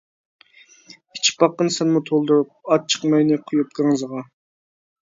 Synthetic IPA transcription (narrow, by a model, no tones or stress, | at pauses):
i̥t͡ʃʰi̥pɑqːənsɛnmut̪ʰolˠd̪uɾup̚ɑt͡ʃʰə̥qmɑjnɨqʰʊjup̚d̪ɪŋɨzʁɑ